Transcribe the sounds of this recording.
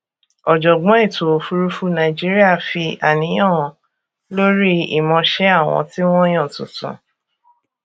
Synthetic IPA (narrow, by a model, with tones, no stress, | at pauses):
ɔ˨d͡ʒɔ˨ɡ͡bɔ̃˨˦i˦˨to˨o˨fu˧ɾu˦fu˦nã˨i˨d͡ʒi˦ɾi˦a˦˨fi˧a˨nĩ˨˦j̃ã˦˨ | lo˦ɾi˦ḭ˨mɔ̃˧ʃɛ˦a˦˨w̃ɔ̰̃˧ti˦w̃ɔ̃˦j̃ã˦˨tũ˨tṵ̃˨